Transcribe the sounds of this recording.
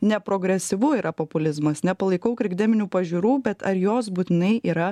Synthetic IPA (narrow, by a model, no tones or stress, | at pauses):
nʲɛpɾoːɡɾʲɛsʲɪʋuiːɾɐpopʊlʲɪzmɐsnʲɛpɐlˠɐɪkɐʊkɾʲɪɡd̪ʲɛmʲɪnʲuːpɐʒʲuɾuːbʲɛt̪ɐɾjoːs̬buːt̪ʲɪnɐɪiːɾɐ